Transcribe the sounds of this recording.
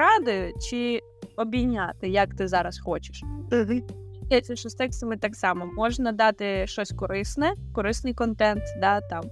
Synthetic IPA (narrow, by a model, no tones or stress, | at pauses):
ɾɑd̪ɪʊt͡ʃɪ | ɔbʲinʲːat̪ɪjɐkt̪ɪzɑɾɐsxɔt͡ʃɪ̥ʃt̪ | ɛjɪt̪ʲt͡sʲːɐʃɔst̪ɛkst̪ɐmɪt̪ɑksɑmɔmɔʒnɐd̪ɑt̪ɪʃt͡ʃɔsʲkɔɾɪsnɛkɔɾɪsnɪjkɔnt̪ɛnt̪d̪ɑt̪ɑm